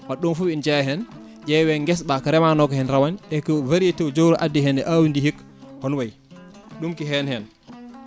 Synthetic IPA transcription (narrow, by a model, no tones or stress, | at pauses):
waɗːunfuind͡ʒɛɦɛn | ʔɛwɛŋɡɛs̬ɓakaɾɛmanɔkɔhɛnɾawanɗɛkɔvaɾijetɛwd͡ʒowɾɔʔadːiɦɛnɛʔawindihik | hɔnwaj | ɗumkiɦɛnhɛn